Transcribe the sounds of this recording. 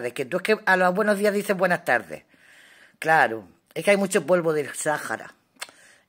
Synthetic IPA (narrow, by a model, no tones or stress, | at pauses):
ðehket̪uehkealoβwe̞noɦðiaɦðiθe̞mbwe̞nast̪aɾðḛ | klaɾo̰ | ekeajmut͡ʃopo̞lβoðesaxa̰ɾa̰